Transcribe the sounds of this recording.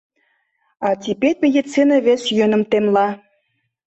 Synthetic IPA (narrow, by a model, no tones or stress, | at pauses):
ɑt̪ʲipeɾʲmʲed̪ʲit͡sinəβesjønə̆mt̪emlɑ